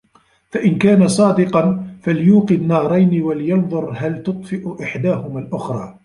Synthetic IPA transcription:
faʔɪnkaːnasˤɑːd̪ɪqɑnfaljuːqɨnːɑːɾˤɑjnɪwaljɑnðˤʊɾˤɦalt̪ʊt̪ˤfɪʔʔɪħd̪aːɦʊmaːlʔʊxɾˤɑː

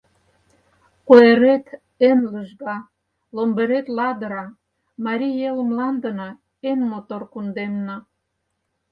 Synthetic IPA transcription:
koeɾet̪ | enləʒɣɑ | lombeɾet̪lɑd̪əɾɑ | mɑɾʲijelmlɑnd̪ənɑ | enmot̪orkund̪emnɑ

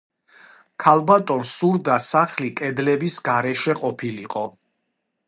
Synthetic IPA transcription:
kʰalˠbat̪ʼɔnsuɾd̪asaχlikʼɛd̪lɛbisɡaɾɛʃɛqʼɔpʰiliqʼɔ

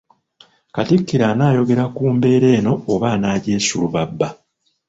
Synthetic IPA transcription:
katikːiɾanaːjo̞ɡe̞ɾakuːmbe̞ːɾe̞ːno̞ːβaːnaːɟe̞ːsuluβabːa

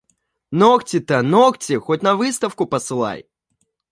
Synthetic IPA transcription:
noktʲɪt̪ənoktʲɪxotʲnɐvɨst̪əfkʊpəsɨlˠa̰j

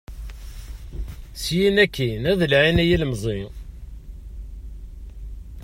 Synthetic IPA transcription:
sjinækːinæðəlʕinæjiləmzˤi

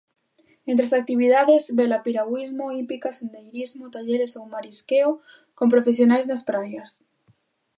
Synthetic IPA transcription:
ẽnt̪ɾesak̚t̪iβiðaðezβelapiɾaɣwizmoipikasend̪ejɾizmot̪aʎeɾesowmaɾiskeo | kompɾofesjonajznaspɾajas

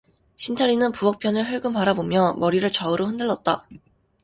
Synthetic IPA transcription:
ɕʰint͡ɕʰʌɾinɯnpuʌk̚pʰjʌnɯɭɦɯɭɡɯmpaɾabomjʌmʌɾiɾɯɭt͡ɕʌɯɾoɸɯndɯɭːʌt̚t͈a

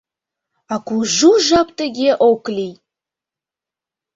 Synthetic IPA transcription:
akʷuʒuʒapt̪əɡʲeʔowklʲij

